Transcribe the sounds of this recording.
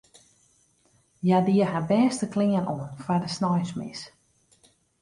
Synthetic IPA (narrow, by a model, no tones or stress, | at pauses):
jadiəɦabɛːstəklɪənoənfardəsnɔjsmɪ̰s